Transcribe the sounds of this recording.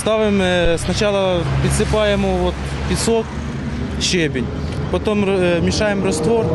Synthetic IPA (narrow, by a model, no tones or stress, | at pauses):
st̪aʋɪmsnɐt͡ɕalˠɐpʲɪt̪sɪpajɪmʊʋot̪ | pʲɪsok | ɕebʲɪnʲ | pɐt̪ommʲɪʂajɪmrɐst̪ʋor